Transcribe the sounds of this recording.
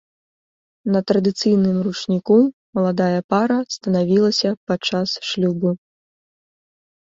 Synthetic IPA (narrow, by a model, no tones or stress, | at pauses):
nɐt̪ɾɐd̪ɨt̪sɨjnɨmrut͡ʂnʲikumɐlˠad̪ajɐpaɾɐst̪ɐnavʲilˠɐsʲɐpat͡ʂasʂlʲubu